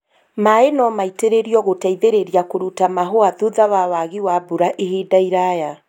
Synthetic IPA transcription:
maenɔmaiteɾeɾiɔɣotaiðeɾeɾiakoɾutamaɦoaðuðaβawaɣiwabuɾaʔehedaiɾaja

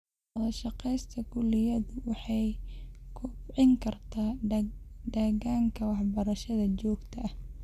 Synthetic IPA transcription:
wɔðɐʃɑqɛjst̪ʰɐɡʊlɪjɐðʊwɑħɑjkʰʊʕɪŋkʰɐrt̪ʰaː | ɖɐɣaːŋkʰɐwɑħbɐɾɐʃɐðɐt͡ʃɔːɡt̪ʰɐʔɐh

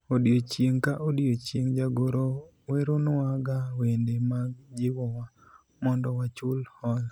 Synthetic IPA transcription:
odjot͡ʃeŋkaʔodijot͡ʃeŋd͡ʒaɡoɾo | weɾonwaɡawendemaɡd͡ʒɪwɔwa | mɔndɔwat͡ʃʊlhɔl

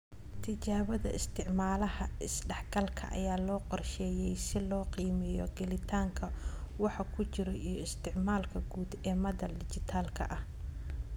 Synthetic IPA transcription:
t̪ʰɪt͡ʃaːβɐðɐ̰ʔɪst̪ʰɪʕmaːlɐhɐɪsɖɛħɡɐlkʰɐ̰ʔɐ̰jaːlɔːqɔrʃɛːjɛjsɪlɔːqiːmɪjɔ̰ɡɛlɪt̪ʰaːŋkʰɐwɑħɑkʰʊt͡ʃɪɾɔʔijɔɪst̪ʰɪʕmaːlkʰɐɡuːd̪ɛːmɐðɐdɪt͡ʃɪt̪ʰaːlkʰɐ̰ʔɐh

